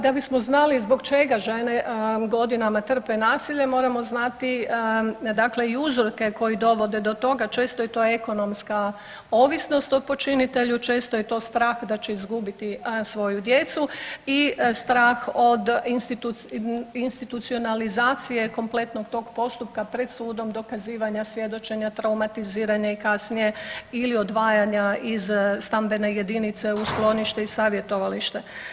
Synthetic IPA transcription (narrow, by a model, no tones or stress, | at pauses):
d̪abismoznalizbo̞ɡt͡ʃe̞ɡaʒeneɡo̞d̪inamat̪r̩penaːsiʎe̞mo̞ɾamo̞znat̪i | d̪akleiuzɾoke̞ko̞jid̪o̞ʋo̞d̪ed̪o̞t̪o̞ɡat͡ʃe̞ːst̪o̞jet̪oːe̞ko̞no̞mska | o̞ːʋisno̞st̪opo̞t͡ʃinit̪e̞ʎut͡ʃe̞ːst̪o̞jet̪o̞ːst̪ɾaːxd̪at͡ʃe̞izɡubit̪isʋo̞jud̪jet̪suist̪ɾaːxo̞d̪inst̪it̪uinst̪it̪ut̪sio̞nalizaːt̪sije̞ko̞mple̞t̪no̞ɡt̪o̞ːɡpo̞st̪up̚kapɾe̞d̪suːd̪o̞md̪o̞kaziːʋaɲasʋje̞d̪o̞t͡ʃe̞ɲat̪ɾawmat̪iziːɾaɲaikasnije̞ilio̞d̪ʋaːjaɲaizst̪ambe̞ne̞je̞d̪init̪se̞usklˠo̞niʃt̪e̞isaːʋje̞t̪o̞ʋaliʃt̪e̞